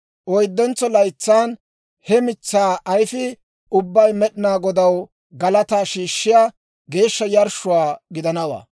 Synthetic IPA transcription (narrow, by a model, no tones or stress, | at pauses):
ʔɔjd̪ːɛnt͡sːɔlɐjt͡sːaːn | hɛmɪt͡sːaːʔɐjfɪ | ʊbːɐjmɛɗɪnaːɡɔd̪ɐw | ɡɐlɐt̪aːʃiːʃːɪjaː | ɡe̞ːʃːɐjɐɾʃʊwaːɡɪd̪ɐnɐwa̰ː